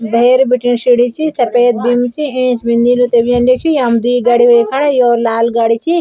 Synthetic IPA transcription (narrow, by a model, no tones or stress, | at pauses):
bʱeːɾbiʈinsiɽit͡ʃʰisɐpeːt̪̚bimt͡ʃʰiẽːsbind̪ilut̪ebijɐnɖekʰujɐmd̪iːɡɐɽiɦojkʰɐɽajoːɾlaːlɡɐɽit͡ʃʰi